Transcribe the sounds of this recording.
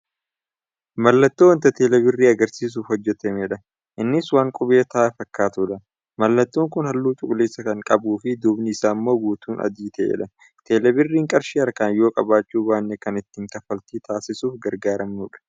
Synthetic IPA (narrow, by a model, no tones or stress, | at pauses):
mɐlːɐt̪ːoːwɐnt̪ɐt̪eːlɛbɪrːiːɐɡɐɾsiːs̬uːfhɔd͡ʒːɛt̪ɛmeːᶑɐ | ʔɪnːɪswaːŋkʼʊbeːt̪ɐʔaːfɐkːaːt̪ʊᶑɐ | mɐlːɐt̪ːoːŋkʊnhɐlːuːt͡ʃʼʊkʼʊleːsːɐkɐŋkʼɐbuːfɪd̪ʊbnɪɪsaːmːo̞ːɡuːt̪uːnʔɐ̰d̪iːt̪ʰɐʔḛːᶑɐ | t̪ʰeːlɛbɪrːiːŋkʼɐɾʃiɐɾkaːnjo̞ːkʼɐbaːt͡ʃːuːbaːnːekɐnɪt̪ːɪŋk̪ɐfɐlt̪iːt̪ʰaːsɪsuːfɡɐɾɡaːɾɐmnuːᶑɐ̥